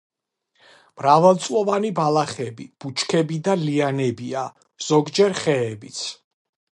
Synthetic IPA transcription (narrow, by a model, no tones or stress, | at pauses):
mɾavɛlˠt̪sʼlɔvanibalaχɛbib̥ut͡ʃʰkʰɛbid̪alianɛbia | z̥ɔɡd͡ʒɛɾχɛːbit̪sʰ